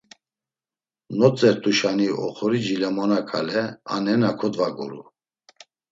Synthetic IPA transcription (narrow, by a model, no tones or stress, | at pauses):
nɔt͡sʼɛɾt̪ʼuʃaniɔ̰χɔɾid͡ʒilamanakʰa̰lɛa̰nɛnakʰɔd̪vaɡɔ̰ɾu